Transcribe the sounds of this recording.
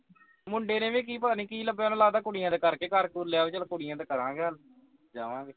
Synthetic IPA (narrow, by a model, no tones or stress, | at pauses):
mʊɳɖeːnẽːʋeːk̬iːpənĩːkiːləbeonːlaːd̪aːkʊɽɪjãːd̪aːkəɾkeːkaɾkuɾleaːʋeːt͡ʃəlkoɽɪjãːd̪aːkəɾãːɡeəl | d͡ʒa̰ːʋãːɡeː